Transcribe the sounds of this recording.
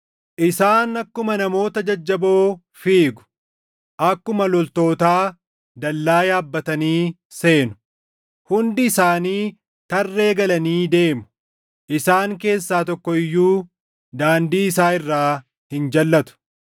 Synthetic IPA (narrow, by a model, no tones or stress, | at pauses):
ʔɪsaːnɐkːʊmɐnɐmo̞ːt̪ɐd͡ʒɐd͡ʒːɐbo̞ː | fiːɡʊ̥ | ʔɐkːʊmɐlɔlt̪o̞ːt̪aː | d̪ɐlːaːjaːbːɐt̪ɐniː | se̞ːnʊ̥ | hʊnd̪ɪːsaːniː | t̪ɐrːe̞ːɡɐlɐniːd̪e̞ːmʊ̥ | ʔɪsaːŋke̞ːsːaːt̪ɔkːɔɪjːuː | d̪aːnd̪iːɪsaːɪrːaː | hɪnd͡ʒɐlːɐt̪ʊ̥